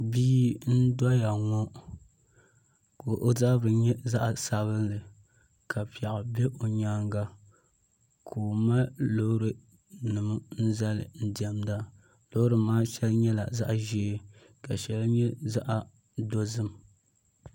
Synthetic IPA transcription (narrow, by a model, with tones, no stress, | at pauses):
biː˦n̩˦dɔ˦ja˨ŋɔ˦ | ko˨ʔo˦za˦bɨ˨ɲɛ˦za˦ʔsa˨βɨ˦nlɨ˨ | kʰa˨pi˨a˨ɣa˨bɛ˦ʔo˨ɲaː˦ŋɡa˦ | kʰoː˨ma˦lo˦ɾɨ˨ | nɨ˨m˦n̩˦za˦lɨ̰˨n̩˦dɛ˨mda˦ | lo˦hɾɨ˨maː˦ʃɛ˦lɲɛ˦la̰˨za˦ʔʒeː˨˦ | ka˨ʃɛ˨lɲɛ˦za˦ʔa˨ | do˦zɨ˦m